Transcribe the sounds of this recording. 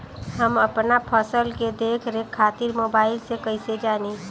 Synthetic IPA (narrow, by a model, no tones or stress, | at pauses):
ɦəməpnapʰəsəlked̪eːkʰɾekʰːaːt̪ɪɾmoːbaːɪlsekəɪsed͡ʒaːni